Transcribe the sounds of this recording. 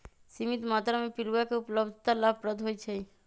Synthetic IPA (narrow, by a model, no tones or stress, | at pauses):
simit̪mat̪ɾamepiɾwakeupləbd̪ʱt̪alapɾəd̪ʱɦojt͡ʃʰɛi